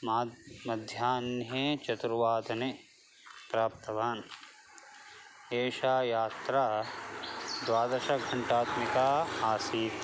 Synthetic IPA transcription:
mːmɐd̪ʱjaːnet͡ʃɐt̪ɾuʋaːd̪ɐne | pɾaːp̚t̪ɐʋaːn | eːʃaːjaːt̪ɾaː | d̪ʋaːd̪ɐɾʃɐkɡʱɐɳʈaːt̪mikaːaːsiːt̪

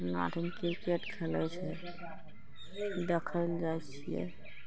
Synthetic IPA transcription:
na̰ʈʰinkiɾkeʈkʰɛlɛ̰t͡ʃʰɛ | d̪ekʰəld͡ʒajt͡ʃʰijɛ̰

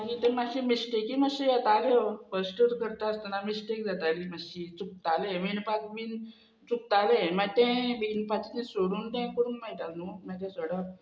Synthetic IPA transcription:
akit̪ɛ̃maɕimisʈekiməɕijat̪aleofəsʈuɾkəɾt̪aəst̪ənamisʈekd͡zat̪aliːməɕit͡suk̚t̪aleʋinpat͡sʋiːn | t͡suk̚t̪alemat̪ɛ̃ʋinpat͡snĩsoɽuːnt̪ɛ̃kuɽuːnmajʈ̪alnumat̪ɛ̃səɽa

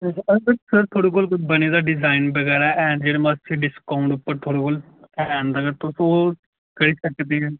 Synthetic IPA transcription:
əbəɾsəɾt̪ʰoːɽeːkoːlkbəneːd̪aːɖɪzaːɪnbəɡɛːɾaɛʔɛ̃ːɳɖd͡ʒeːɽeməst͡ʃeɖɪskaːʊ̃ɳɖʊpːəɾt̪ʰoːɽeːkoːl | ɛnd̪aːɡəɾt̪õsoː | kəɽiːsəkd̪eːɛː

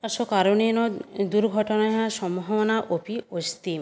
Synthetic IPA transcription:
asɔkaɾoninɔd̪uɾɡʱɔʈɔnaɦãsɔmuɦɔɔnaʔopiost̪i

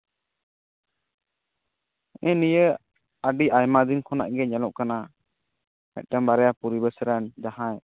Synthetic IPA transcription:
ɛ̃nijə | aɖiʔajmad̪inkʰɔna̰ʔɡɛɲɛlɔʔkana | mɛ̰t̪̚ʈɛmbaɾɛjapuɾibəsəɾand̪ahãj

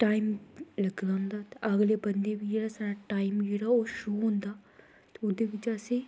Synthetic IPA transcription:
ʈaːimləɡlaːɦʊ̃nd̪aːt̪eʔəɡleːbənd̪eːʋiːd͡ʒeːɽaːsaːɾaːʈaːimd͡ʒeːɽaːoːʃoːɦʊ̃nd̪aː | t̪eʊd̪eːʋɪt͡ʃəseː

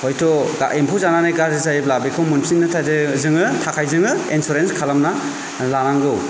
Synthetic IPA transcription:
hojtʰɔɡa̰ʔempʰuwzananajɡaɾɯzajblabekʰɯmunpʰinːɯtʰazɯzɯŋɯtʰakʰajzɯŋɯensuɾenskʰalamna | lanaŋɡɯw

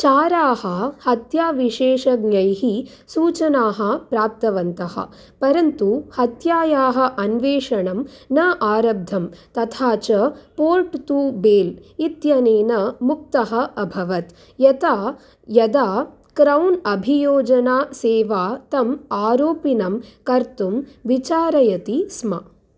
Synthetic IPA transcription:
t͡ʃaːɾaːɦɐ̆hɐt̪jaːʋiʂeːʂɐɡɲɐjɦi | suːt͡ʃɐnaːɦɐ̆pɾaːp̚t̪ɐʋɐnt̪ɐɦɐ̰ | pɐɾɐnt̪uhɐt̪jaːjaːɦɐ̆ʔɐnʋeːʂɐɳɐmnɐʔaːɾɐb̚d̪ʱːɐmt̪ɐt̪ʰaːt͡ʃɐpoːɾʈt̪uːbeːlit̪jɐneːnɐmuk̚t̪ɐɦɐ̆ɐbʱɐʋɐt̪ | jɐt̪aː | jɐd̪aː | kɾɐwnɐbʱijoːd͡ʒɐnaːseːʋaːt̪ɐmaːɾoːpinɐmkɐɾt̪umʋit͡ʃaːɾɐjɐt̪ismɐ̰

